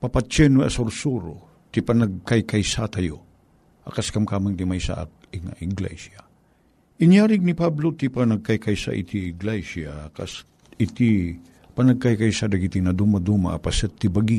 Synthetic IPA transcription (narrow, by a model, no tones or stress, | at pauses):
papat͡ʃɛnwɛʔɐ̰soɾsuɾo | t̪ipanɐɡ̚kajkajsat̪ajo | ʔakaskamkamaŋt̪imajsa̰ʔa̰k̚ | ɪŋa̰ʔɪɡlɛ̰sa | ʔɪnjaɾɪɡ̚nipablot̪ipanaɡ̚kajkajsa̰ʔḭt̪iɪɡlasakas | ɪt̪i | panɐɡ̚kajkajsad̪aɡit̪inɐd̪umad̪uma̰ʔːpasɛt̪ːibaɡi